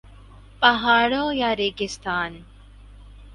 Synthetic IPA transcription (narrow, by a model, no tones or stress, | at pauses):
pɐɦaːɭoːjaɾeːɡist̪aːn